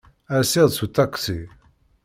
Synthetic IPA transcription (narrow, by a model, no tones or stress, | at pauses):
æsiðˤsut̪aksi